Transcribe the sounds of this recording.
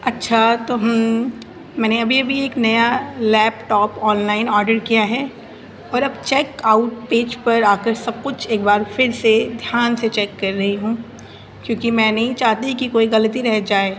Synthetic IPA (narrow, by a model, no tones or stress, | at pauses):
ɐtːʃʰat̪oːɦɐm | mɛ̃ːneɐbʱiɐbʱieːknɐjalɛːpʈɔːpɔːnlaːɪnɔːɾɖəɾkijaɦɛ | ɔːɾɐbt͡ʃɛːkaʊʈ̚peːd͡ʒpɐɾaːkəɾsɐb̚kʊt͡ʃʰeːkbaːɾfɪɾsed̪ʱjaːnset͡ʃɛːkːɐɾːɐɦiɦũː | kjõːkimɛ̃ːnɐɦĩt͡ʃaːɦt̪iɦĩkikoːiɣɐlət̪iɾɛɦd͡ʒaːeː